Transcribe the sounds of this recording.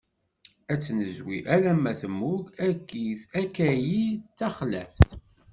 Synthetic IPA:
æt͡sːnəzwḭʔælæmæθəmːuɡækːiθækæjiθt͡sːæχlæ̰ft̪

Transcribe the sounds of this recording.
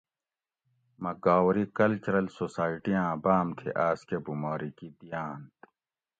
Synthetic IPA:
mɐɡaːwɾikɐlt͡ɕuɾɐlsosaːiʈijãːbaːmt̪ʰḛʔaːskebumaːɾikid̪ijaːnt̪

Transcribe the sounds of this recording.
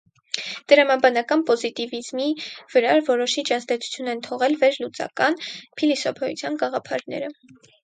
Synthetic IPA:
d̪̥əɾɑmɑbɑnɑkɑnpɔzit̪ivizmiv̥əɾɑɾvɔɾɔʃit͡ʃʰɑzd̪ɛt͡sʰu̥t͡sʰjunɛnt̪ʰɔʁɛlvɛɾlut͡sɑ̰kɑnpʰilisɔpʰɛjṵt͡sʰjɑnɡɑʁɑpʰɑɾnɛ̰ɾə

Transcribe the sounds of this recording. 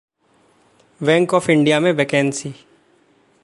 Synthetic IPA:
ʋɛ̃ːŋkɔːfʰɪ̃ɳɖijamẽbɛkɛ̃ːnsiː

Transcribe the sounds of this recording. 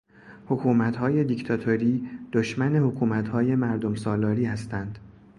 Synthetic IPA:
hokʰuːmæt̪hɒːje̞d̪ict̪ʰɒt̪ʰoɾiːd̪̥oʃmæne̞hokʰuːmæt̪hɒːje̞mæɾd̪o̞msɒːlɒːɾiːhæst̪ænd̪̥

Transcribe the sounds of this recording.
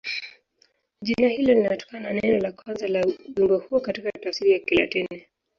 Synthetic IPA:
ʄinahilɔlinatɔ̥kanananɛnɔlakwanzalaʄimbahuɔkatikatafsiɾijakila̰tɛnnɛ

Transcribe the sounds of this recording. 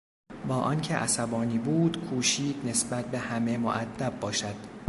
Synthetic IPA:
bɒːʔɒncʰeʔæ̰sæbɒːniːbuːd̪kʰuːʃiːd̪ne̞sbæt̪̚behæme̞mo̰ʔæd̪ːæbːɒːʃæd̪̥

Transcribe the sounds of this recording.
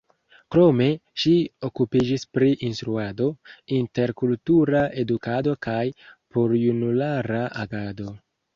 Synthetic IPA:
kɾo̞me̞ʃio̞kupid͡ʒispɾiʔinstɾuado̞inte̞ɾkultuɾae̞dukado̞kajpoɾjunulaɾaʔaɡado̞

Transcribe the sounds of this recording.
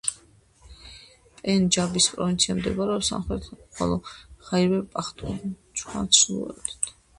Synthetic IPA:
pʼɛnd͡ʒabispʼɾɔvint̪sʰiamd̪ɛbaɾɛɔsa̰mχɾɛt̪ʰχɔ̰lˠɔχaiɾwɛpʼaχt̪ʼut͡ʃʰʼχa̰nsʰlṵɛ̰t̪t̪ʰ

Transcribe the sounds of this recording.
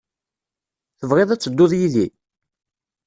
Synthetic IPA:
θəvʁeðˤæt͡sːəd̪ːoðˤjiði

